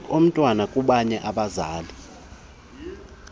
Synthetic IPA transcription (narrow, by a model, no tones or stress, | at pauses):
om̩tʼwanakʼuɓaɲɛʔaɓazaːli